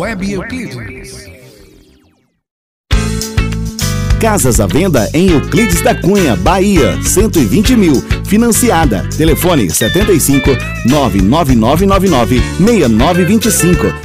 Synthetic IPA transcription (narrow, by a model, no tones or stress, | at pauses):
wɛbkli | kazɐzɐvẽnd̪ɐ̰ʔẽj̃uklid͡ʒɪzd̪ɐkũɲɐbaiɐ̰sẽnt̪ʊɪvĩnt͡ʃɪmiwfinɐ̃siad̪ɐ̰t̪elefõnɪ̰sɛt̪ẽnt̪ɐijsĩŋkʊ | nɔvɪ̰nɔvɪnɔvɪnɔvɪnɔvɪmejɐnɔvɪvĩnt͡ʃɪsĩŋkʊ